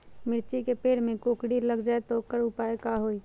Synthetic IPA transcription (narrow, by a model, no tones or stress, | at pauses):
mɪɾt͡ʃikepeːɽmẽkokɽiləɡd͡ʒaet̪ɔokəɾʊpaekaɦoi